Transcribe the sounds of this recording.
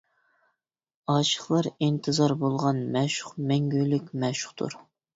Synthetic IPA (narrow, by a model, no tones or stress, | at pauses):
ɑːʃə̥χlˠɑɾint̪ʰɨzɑɾbolˠʁɑnmɛʃʊ̥χmɛŋɡʲølykʲmɛʃʊ̥χt̪ʰṵɾ